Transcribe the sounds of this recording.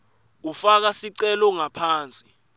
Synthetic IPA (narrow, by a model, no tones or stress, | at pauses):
ufak̬asiǀɛlɔŋapʰaːnt͡sʼi̥